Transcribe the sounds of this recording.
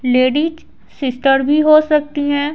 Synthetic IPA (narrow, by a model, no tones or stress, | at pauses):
leːɖiːd͡ʒ | sɪsʈəɾbʱiɦosɐk̚t̪iɦɛ̃ː